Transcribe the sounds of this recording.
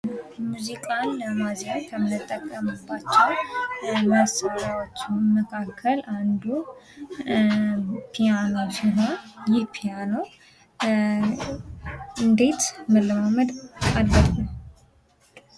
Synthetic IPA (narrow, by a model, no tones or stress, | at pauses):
muzikʼanːəmazank̪ʰəmnɨt̪ʼːəkʼːəməbːat͡ʃːɛw | məsaɾawot͡ʃːɪməkʰakʰːəlʔand̪u | pʰijano̞siɦo̞njɪpʰijano | ɨnd̪e̞t̪məlːɨmaməd̪albət̪ʼnəw